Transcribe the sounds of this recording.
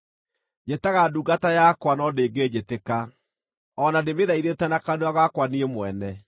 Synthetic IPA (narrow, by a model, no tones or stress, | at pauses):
jetaɣaduːɡatajakwanɔdeːɡed͡ʒeteka | ɔnademeðaiðetɛnakanuaɣakwaniemwɛnɛ